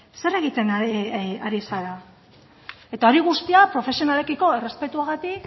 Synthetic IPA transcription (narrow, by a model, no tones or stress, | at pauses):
se̞re̞ɣit̪e̞n | aɾisala | e̞t̪ao̞ɾiɣ̞ust̪iapɾo̞fe̞sio̞nale̞kiko̞e̞re̞spe̞t̪uaɣat̪ik